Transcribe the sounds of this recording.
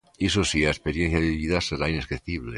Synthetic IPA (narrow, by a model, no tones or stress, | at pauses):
isosiaespeɾjenθjaðeβiðaseɾaineskeθiβle